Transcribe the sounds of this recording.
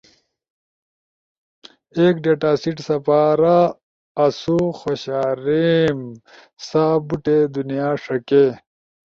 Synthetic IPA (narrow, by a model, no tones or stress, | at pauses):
eːkɖeʈaːsiʈsɐpaːɾaː | suxoɕaːɾim | sabuʈed̪unijaːʂɐke